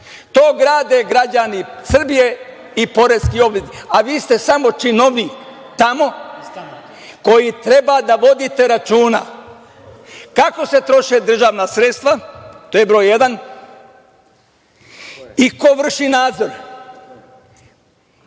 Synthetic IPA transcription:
t̪oːɡɾaːd̪e̞ɡɾad͡ʒanisr̩bije̞ | ipo̞ɾeskio̞bled̪aʋiːst̪e̞samo̞t͡ʃinoʋni | t̪amo̞ | ko̞jit̪ɾe̞bad̪aʋo̞d̪it̪e̞ɾat͡ʃuːna̰ | kako̞se̞t̪ɾo̞ʃed̪r̩ʒaːʋnaːsɾet̪st̪ʋat̪ojebɾo̞ːjed̪an | iko̞ʋr̩ʃinaːd̪zo̞ɾ

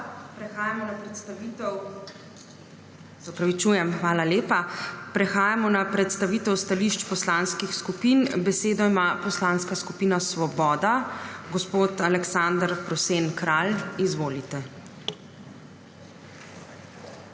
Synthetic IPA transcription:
pɾɛxaːjamɔnapɾɛt̪st̪aʋit̪ɛw | sɛɔpɾaʋit͡ʃuːjɛmxʋaːlaleːpapɾɛxaːjamɔnapɾɛt̪st̪aʋiːt̪ɛwst̪aliʃt͡ʃpɔslanskixskupiːnbɛseːd̪ɔimaːpɔslaːnskaskupiːnasʋɔbɔːd̪aɡɔspoːt̪alɛksand̪ɾpɾɔseːnkɾaːlizʋoːlit̪ɛ

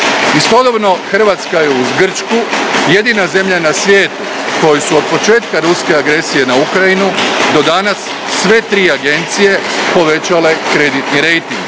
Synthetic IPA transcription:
ist̪o̞d̪obno̞xr̩ʋaːt̪skajeuzɡr̩t͡ʃkuje̞d̪inaze̞mʎanasʋʲjeːt̪u | ko̞jesuo̞d̪̚po̞t͡ʃe̞ːt̪kaɾuske̞aɡɾe̞sije̞naukɾajinud̪o̞d̪anasː | ʋe̞t̪ɾiːaɡe̞nt̪sije̞po̞ʋe̞t͡ɕale̞kɾe̞d̪it̪niɾe̞jt̪iŋɡ

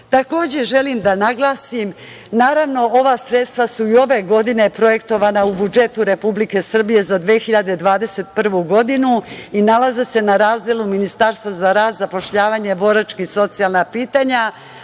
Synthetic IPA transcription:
t̪ako̞ːd͡ʑe̞ʒe̞limd̪anaɡlˠaːsim | naːɾaʋno̞o̞ʋasɾe̞t̪st̪ʋasuio̞ʋe̞ɡo̞d̪ine̞pɾo̞je̞kt̪o̞ʋanaubud͡ʒe̞t̪uɾe̞publike̞sr̩bije̞zad̪ʋeːxiʎad̪ed̪ʋaːd̪e̞se̞t̪pr̩ʋuɡo̞d̪inuinalazese̞naɾaːzd̪elˠuminist̪aɾst̪ʋazaɾaːd̪zapo̞ʃʎaːʋaɲe̞bo̞ɾat͡ʃkiso̞t̪sijalˠnapiːt̪aɲa

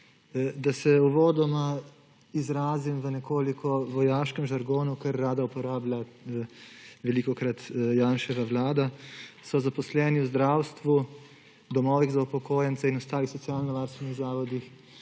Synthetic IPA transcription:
d̪asɛuʋoːd̪ɔma | izɾaːzimʋənɛkoːlikʰɔʋɔjaːʃkɛmʒaɾɡoːnukɐɾːaːd̪aupɔɾaːbla | ʋɛlikɔkɾat̪jaːnʃɛʋaʋlaːd̪asɔzapɔslɛːniwzd̪ɾaːwst̪ʋu | d̪ɔmɔːʋiɣzaupɔkoːjɛnt̪sainɔst̪aːlixsɔtsijaːlnɔʋaɾst̪ʋɛniɣzaːʋɔd̪ix

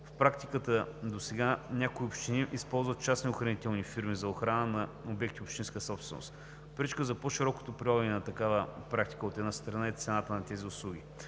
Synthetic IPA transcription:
fpɾakt̪ikət̪əd̪osɛɡanʲakoiopʃt̪iniʔispɔlˠzvət̪̚t͡ʃasnioxɾɐnit̪ɛlˠnifiɾmizɐoxɾanənɐobɛk̚t̪iopʃt̪inskəsɔpst̪vɛno̰st̪ | pɾit͡ʃkəzɐpɔʃiɾɔko̥t̪opɾilˠɔvɛnɛnɐt̪ɐkavəpɾakt̪i̥kəot̪ɛd̪nast̪ɾɐnait̪sɛnat̪ənɐt̪ɛziʊslˠuɡ̟i

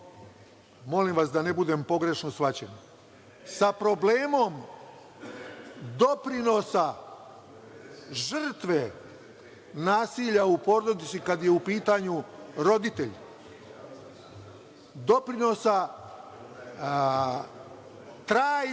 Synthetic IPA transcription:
mo̞limʋasd̪anebud̪empo̞ɡɾe̞ʃnosʋat͡ɕḛn | sapɾo̞bleːmo̞m | d̪o̞pɾino̞sa | ʒr̩t̪ʋe | naːsiʎaupo̞ɾod̪it̪sikad̪jeupiːt̪aɲuɾo̞d̪it̪eʎ | d̪o̞pɾino̞sa | t̪ɾaː

